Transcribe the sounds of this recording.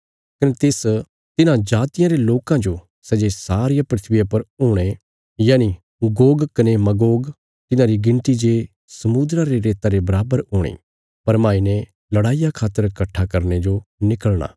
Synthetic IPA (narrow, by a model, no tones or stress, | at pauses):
kɐnet̪eːs | t̪ɪnãd͡ʒaːt̪ɪjãɾeloːkãd͡ʒo | sɛd͡ʒesaːɾɪjapɾɪt̪ʰbɪjapɐɾʊːɽ̃e | jaːni | ɡoːɡkɐnemɐɡoːɡ | t̪ɪnãɾiɡɪ̃nt̪id͡ʒeː | sɐmud̪ɾãɾeɾeːt̪aɾebɐɾaːbəɾɦʊːɽ̃ḛː | pɐɾmãːine | lɐɽaːijakʰaːt̪ːəɾkɐʈʰːakɐɾned͡ʒonɪkəɭɽ̃a̰ː